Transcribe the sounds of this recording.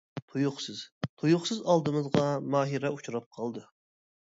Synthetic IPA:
t̪ʰujʊχsɨz̥t̪ʰujʊχsɨzɑlˠd̪ɨmɨzʁɑmɑːɦiɾɛut͡ʃʰuɾɑp̚qʰɑlˠd̪ɨ

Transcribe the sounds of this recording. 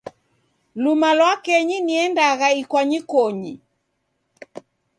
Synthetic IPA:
lumalwakɛɲiniɛndaɣaikwaɲikɔɲi

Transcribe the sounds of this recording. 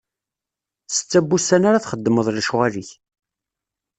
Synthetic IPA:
sə̥t͡sːæbːusænaɾaθχəd̪ːəməðˤlʃʁæliç

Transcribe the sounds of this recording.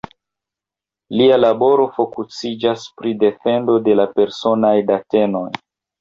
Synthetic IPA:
lialabo̞ɾo̞fo̞kut͡sid͡ʒaspɾide̞fe̞ndo̞de̞lape̞ɾso̞najdate̞no̞j

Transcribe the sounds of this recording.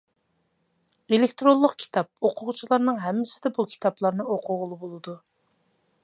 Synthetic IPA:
elɪk̚ʲt̪ɾolˠːəqkʲʰi̥t̪ʰɑp̚oqʰʊʁt͡ʃʰilˠɑɾnɨŋɦɛmːɪsɪd̪ɛbukʲʰi̥t̪ʰɑplˠɑɾnɨoqʰʊʁʊlˠɨbolˠɨd̪u

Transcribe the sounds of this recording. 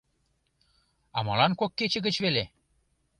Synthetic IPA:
ɑmɑlɑnkokːet͡ɕĕɣə̆t͡ɕβele

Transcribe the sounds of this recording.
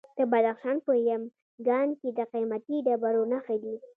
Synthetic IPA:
d̪̥əbad̪axʃɑnpəjəm | ɡɑnked̪əqimat̪iɖabaɾonaxad̪i

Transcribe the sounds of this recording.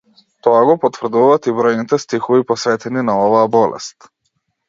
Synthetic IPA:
t̪ɔaɡɔpɔt̪vr̩d̪uvaːt̪ibɾɔjnit̪ɛst̪ixɔvipɔsvɛt̪ɛninaɔvaːbɔlɛ̰st̪

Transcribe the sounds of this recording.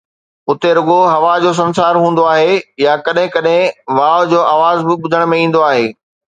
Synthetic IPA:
ʊt̪eɾʊɠoɦɐʋad͡ʑoːs̬ɐ̃ns̬aːɾɦũːn̆d̪oaːɦejakɐɗɦɪ̃kɐɗɦɪ̃ʋaːd͡ʑoːʔaːʋaːzbɪɓʊd̪ʱəɽ̃mẽĩːn̆d̪oaːɦeː

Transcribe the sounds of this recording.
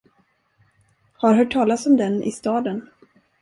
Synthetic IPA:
haɾɦœːʈʰːɑːlasɔmd̪ɛnʔɪ̰st̪ɑːd̪ən

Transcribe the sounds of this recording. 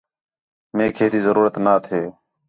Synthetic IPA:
mẽːkʰeːt̪ʰiːzəɾuːɾət̪naːt̪ʰeː

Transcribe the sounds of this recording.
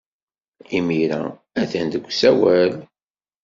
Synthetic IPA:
imiɾæ̰ | æθænd̪əɡʷːsæwæl

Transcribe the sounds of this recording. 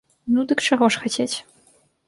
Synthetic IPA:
nud̪ɨkʈ͡ʂɐɣɔʂxɐtʰʲet͡sʲ

